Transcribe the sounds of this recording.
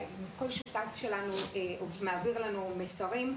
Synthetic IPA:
mko̞lʃutafʃe̞lanuumaːviʁlanumesaʁim

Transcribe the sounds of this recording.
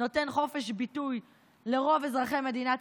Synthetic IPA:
ote̞nχo̞fe̞ʃbituj | le̞ʁo̞vezʁaχeme̞d̪ina

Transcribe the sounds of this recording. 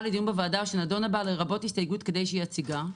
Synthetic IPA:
led̪ijumbevaːdaʃenado̞nabaleʁabo̞thistajɡutke̞d̪e̞jʃeiat͡siɡa

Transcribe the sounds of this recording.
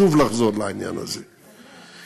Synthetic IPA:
uvlaχzɔɾlaanja̰na̰ze

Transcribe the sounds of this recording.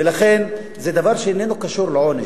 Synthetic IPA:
ɪlaxeːn | zɛːd̪avɑːɾˤʃʔɪnːeːnukaʃuːɾlʕonɪ

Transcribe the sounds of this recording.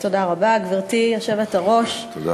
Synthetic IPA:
t̪odaʁabaɡviʁt̪ijaχʃavetaʁo̞ʃt̪o

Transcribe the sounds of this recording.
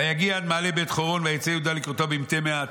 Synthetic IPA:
ajaɡiaad̪maːlebetχoʁonveajet͡seajud̪alikʁot̪obimt̪emea

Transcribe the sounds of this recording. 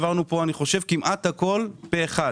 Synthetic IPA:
vaʁnupo̞aniχo̞ʃe̞vkimʔat̪hako̞lbeːχa

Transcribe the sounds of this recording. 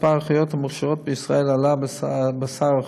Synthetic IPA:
paʁaχijot̪hamaχʃaʁo̞t̪̚bəisʁaelalabbasaʁa

